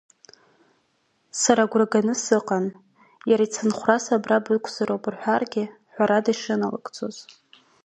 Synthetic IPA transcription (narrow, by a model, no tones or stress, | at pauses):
saɾaɡʷraɡanɨsɨqʼan | jaɾait͡sʰɨnχʷrasabrabɨkʷʰzaɾowpʼɨrħʷᶣarɡʲɪħʷᶣaɾadaiʂɨnala̰kʼt͡sʰʼo̞z̥